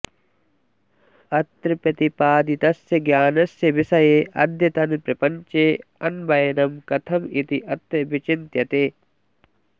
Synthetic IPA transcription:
ɐt̪ɾɐpɐt̪ipaːd̪it̪ɐsjɐɡjaːnɐsjɐʋisɐjeːʔɐ̰d̪ʱjɐt̪ɐnpɾɐpɐɲt͡ʃeːɐnbɐjɐnɐmkɐt̪ʰɐmit̪iʔɐt̪ɾɐbit͡ʃint̪jɐt̪eː

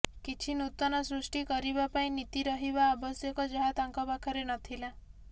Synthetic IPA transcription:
kit͡ʃʰinut̪ːɔnɔsɾusʈikɔɾibapaĩnit̪iɾɔɦibaːbɔsjɔkɔd͡ʒɔɦat̪aŋkɔpakʰɔɾenɔt̪ʰila

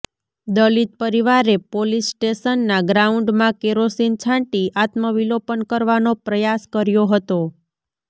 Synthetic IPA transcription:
d̪əlit̪̚pəɾiʋaɾepolisːʈeʃənːaɡɾauɳɖmãkeɾosint͡ʃʰãɳʈiʔat̪məʋilopənkəɾʋanopɾəjaskəɾjoɦət̪o

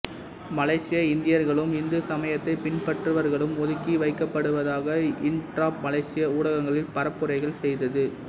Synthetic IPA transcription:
mɐlɐɪsɪjɐɪnd̪ɪjɐɾɣɐɭɯmɪnd̪ɯsɐmɐjɐt̪ːɐɪpɪɳpɐʈrɯʋɐɾɣɐɭɯmɔðɯkːiʋɐɪkːɐpːɐɽɯʋɐðaːɣɐɪnʈɾaːpmɐlɐɪsɪjɐuːɽɐɣɐŋɡɐɭɪlpɐɾɐpːɯɾɐɪɣɐɭsɛjðɐðɯ

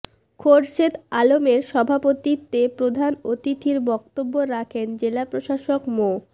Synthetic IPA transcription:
kʰoɖʃet̪alomeɾʃɔbʱapot̪it̪ːepɾod̪ʱanot̪it̪ʰiɾbɔk̚t̪obːoɾakʰend͡ʑelapɾoʃaʃokmo

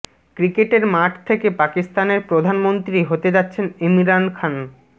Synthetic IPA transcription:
kɾikeʈeɾmaʈʰt̪ʰekepakist̪aneɾpɾod̪ʱanmont̪ɾiɦot̪ed͡ʑatːɕʰenemiɾankʰan

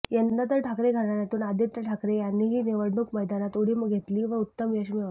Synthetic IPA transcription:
jənd̪at̪̬əɾʈʰakɾeɡʱəɾɳaɾjat̪uːnad̪ʱit̪ːəʈʰakɾejanːiːɦiːniʋəɽɳuːkməjd̪anat̪uɽiːməɡɡʱet̪liːʋəut̪ːəmʋjəɕmiʋ

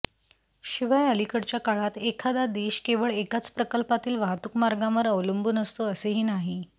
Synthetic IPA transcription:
ɕiʋajəlikəɽt͡ɕjakaɭat̪ekʰad̪ad̪eɕkeʋəɭekat͡spɾəkəlpat̪iːlʋaɦt̪ukmaɾɡãʋəɾəʋlumbuːnəst̪oəseɦiːnaɦi

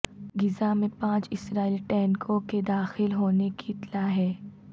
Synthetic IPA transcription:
ɡɪzamẽpãːt͡ʃɪsɾaːiliʈɛːnkʰõked̪aːxɪlɦoːnekiɪt̪laɦɛː

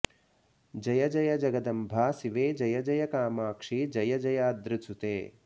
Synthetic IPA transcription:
d͡ʒɐjɐd͡ʒɐjɐd͡ʒɐɡɐd̪ɐmbʱaːsiʋeːd͡ʒɐjɐd͡ʒɐjɐkaːmaːkʂid͡ʒɐjɐd͡ʒɐjaːd̪ɾɪsut̪ḛː

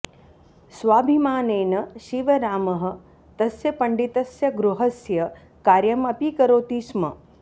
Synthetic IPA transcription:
sʋaːbʱimaːneːnɐʃiʋɐɾaːmɐɦɐ̆ | t̪ɐsjɐpɐɳɖit̪ɐsjɐɡɾuɦɐsjɐ | kaːɾjɐmɐpikɐɾoːt̪iːsmɐ̰

